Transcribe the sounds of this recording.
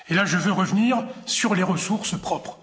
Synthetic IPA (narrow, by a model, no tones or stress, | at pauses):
elaʒəvøʁəvniːʁsyʁleʁəsuʁspχɔpχ